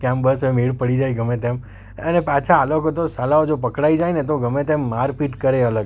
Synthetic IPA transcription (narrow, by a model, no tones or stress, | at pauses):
kɛ̃mbəsəemeɭpəɽid͡ʒajɡəmet̪em | ənepat͡ʃʰaːlokot̪osalaod͡ʒopəkɽaid͡ʒajnet̪oɡəmet̪emːaɾpiʈkəɾeələɡ